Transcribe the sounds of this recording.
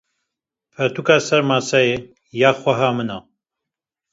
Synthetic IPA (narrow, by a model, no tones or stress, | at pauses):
fʰɛɾt̪ʰukaːsɐɾmaːsaje | jaːxʷɐɦaːmɨnaː